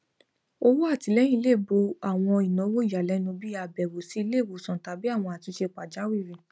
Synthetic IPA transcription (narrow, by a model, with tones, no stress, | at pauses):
o˧wo˦a˦˨ti˨˧lɛ˦j̃ĩ˦˧˦le˦˨bo˧a˦˨w̃ɔ̃˧i˨nɔ̃˨˦wo˦i˨ja˨lɛ˨˦nũ˧bi˦a˧bɛ˨wo˨si˨˦i˧le˦˨wo˨sɔ̃˨ta˨˦bi˦a˦˨w̃ɔ̃˧a˨ti˨˧˦ʃe˧k͡pa˨d͡ʒa˨˦wi˦˨ɾĩ˨